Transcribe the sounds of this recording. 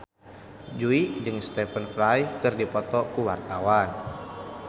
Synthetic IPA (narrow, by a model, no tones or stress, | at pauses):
d͡ʒuid͡ʒɨŋst̪ɛfənfɾajkɨrdipɔt̪ɔkuwart̪awan